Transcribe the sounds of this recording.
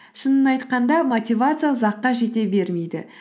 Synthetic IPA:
ʃənənɑjt̪qɑnd̪ɑmot̪ʲivat̪sɨjazɑqːɑʒe̞t̪e̞be̞ɾme̞jd̪ɪ

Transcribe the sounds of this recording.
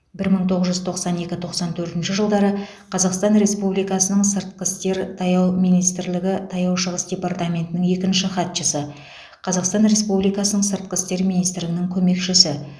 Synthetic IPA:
bɪɾməɴt̪ʰoʁəzʒʏzt̪ʰo̞qsɑne̞kʲɪt̪ʰo̞qsɑnt̪ʰɵɾt̪ɪnʃɪʒəlˠd̪ɑɾə | qʰɑzɑqst̪ɑnɾe̞spublijkɑsənəɴsəɾt̪̚qəst̪e̞ɾt̪ʰɑjɑwmijnijst̪ɾlɪɡʲɪt̪ʰɑjɑwʃəʁəsd̪ʲe̞part̪amʲe̞nt̪ɪnɪŋje̞kʲɪnʃɪχɑt̪ʃəsə | qʰɑzɑqst̪ɑnɾe̞spublijkɑsənəɴsəɾt̪̚qəst̪e̞ɾminijst̪ɾlɪɡʲɪnɪŋkʲʰɵme̞kʃɪsɪ

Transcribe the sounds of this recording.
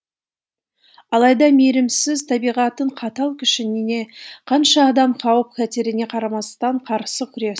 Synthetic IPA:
ɑlˠɑjd̪ɑmeɾɪmsɪzt̪ʰɑbijʁɑt̪əɴqʰɑt̪ɑlˠkʲʰʏʃɪnɪne̞qʰɑnʃɑːd̪ɑmqʰɑwəp̚kʰʲæt̪eɾɪne̞qʰɑɾɑmɑst̪ɑɴqʰɑɾsəkʲʰʏɾe̞

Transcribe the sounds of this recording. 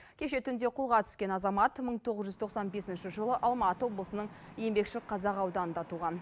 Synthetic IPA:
kʲʰe̞ʃe̞t̪ʰʏnd̪e̞qʰʊlˠʁɑt̪ʰʏ̥skʲe̞nɑzɑmɑt̪məɴt̪ʰo̞ʁəzʒʏzt̪ʰo̞qsɑnbe̞sɪnʃɪʒəlˠəʔɑlˠmɑt̪əwo̞blˠəsənəɴ | je̞mbe̞kʃɪlɪq̚qʰɑzɑqɑwd̪ɑnənd̪ɑt̪uʁɑn

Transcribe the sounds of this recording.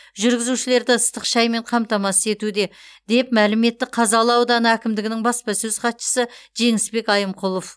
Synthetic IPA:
ʒʏɾɡʲɪzuʃɪle̞ɾd̪ɪəst̪əqʃɑjmeɴqʰɑmt̪ɑmɑsəe̞t̪ud̪e̞d̪e̞pmælɪme̞t̪ːɪqʰɑzɑlˠəɑwd̪ɑnəækʲɪmd̪ɪɡʲɪnɪŋbɑspɑsɵz̥qɑt̪ʃə̥səʒe̞ŋɪspe̞kɑjəmqʰʊlˠof

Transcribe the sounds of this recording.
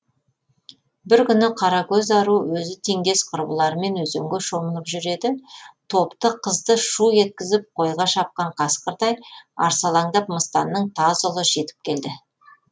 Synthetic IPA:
bɪɾkʲʏnɪqʰɑɾɑkʲʰɵzɑɾuwɵzɪt̪ʰe̞ŋɡʲe̞sqʰʊɾbə̰lˠɑɾəme̞nwɵzeŋɡʲeʃo̞mənəpʒʏɾe̞d̪ɪt̪ʰo̞pt̪əqʰəzd̪əʃuje̞t̪̚kʲɪzɪp̚qʰo̞jʁɑʃɑp̚qɑɴqʰɑsqəɾt̪ɑjɑ̰ɾsɑlˠɑŋd̪ɑpməst̪ɑnːəɴt̪ʰɑzolˠəʒe̞t̪ɪ̥p̚kʲʰe̞ld̪ɪ

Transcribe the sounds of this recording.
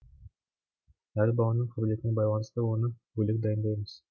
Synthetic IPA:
æɾʲbɑlˠɑnəɴfʰub̪let̪ɪnɪŋbɑjlˠɑnəst̪əwo̞nəbɵlek̚d̪ɑjənd̪ɑjməz̥

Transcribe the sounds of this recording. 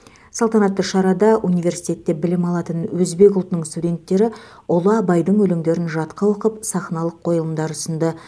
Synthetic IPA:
sɑlˠt̪ɑnɑt̪ːəʃɑɾɑd̪ɑʔunijvʲe̞ɾsijt̪e̞t̪ːe̞bɪlɪmɑlˠɑt̪ənwɵzbe̞kʊlˠt̪ənəɴst̪ud̪ʲe̞nt̪ːe̞ɾɪ | olˠəɑbɑjd̪əɴwɵlɪŋd̪e̞ɾɪnʒɑt̪qɑwoqəpsɑχnɑlˠəqʰːo̞jəlˠəmd̪ɑɾʊsənd̪ə

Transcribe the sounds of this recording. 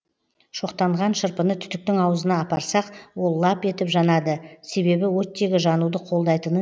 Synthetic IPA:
ʃo̞qt̪ɑɴʁɑnʃəɾpənət̪ʰʏ̥t̪ɪk̚t̪ɪŋɑwəzənɑːpɑɾsɑqwo̞lˠːɑpe̞t̪ɪpʒɑnɑd̪əse̞βe̞bɪwɵt̪ːe̞ɡʲɪʒɑnud̪əqʰo̞lˠd̪ɑjt̪ənə

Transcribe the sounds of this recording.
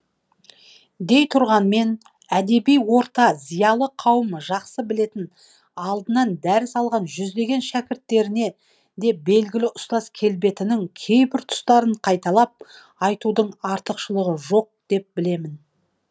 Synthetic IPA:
d̪e̞jt̪ʰʊɾʁɑnme̞n | æd̪e̞bijwo̞ɾt̪ɑzijɑlˠəqʰɑwəmʒɑqsəbɪle̞t̪ɪn | ɑlˠd̪ənɑnd̪æɾɪsɑlˠʁɑnʒʏzd̪e̞ɡʲe̞nʃækʲɪɾt̪ːe̞ɾɪne̞ | d̪e̞be̞lɡʲɪlɪʔʊst̪ɑskʲʰe̞lbe̞t̪ɪnɪŋkʲʰe̞jbɪɾt̪ʰʊ̥st̪ɑɾəɴqʰɑjt̪ɑlˠɑp̚ | ɑjt̪ud̪əɴɑɾt̪əqʃəlˠəʁəʒo̞q̚d̪̥e̞p̚bɪle̞mɪn

